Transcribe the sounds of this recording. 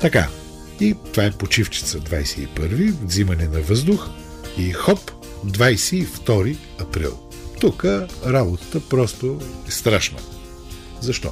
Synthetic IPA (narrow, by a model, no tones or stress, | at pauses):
t̪ɐka̰ | it̪ovaɛpot͡ʃift͡ʃi̥t̪səd̪vajsɛḭpəɾvivzimɐnɛnɐvɤzd̪ʊx | ixɔp | d̪vajsɛift̪ɔɾi | ɐpɾḭlˠ | t̪ukəɾabot̪ə̥t̪əpɾɔst̪ʊɛst̪ɾaʃnə̰ | zɐʃt̪ɔ̰